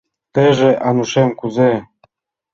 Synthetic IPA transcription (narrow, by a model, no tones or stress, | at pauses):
t̪eʒĕʔɑnuʃemkuze